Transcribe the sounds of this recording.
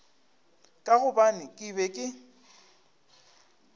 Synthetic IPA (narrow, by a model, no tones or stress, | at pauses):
kʼaɣʊbanɪkʼɪbɛkʼɪ